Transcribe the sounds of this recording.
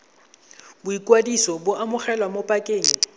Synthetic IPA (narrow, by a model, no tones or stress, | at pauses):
bʊikʼwadisɔbʊʔamʊχɛlwamopʼakʼeːŋ̩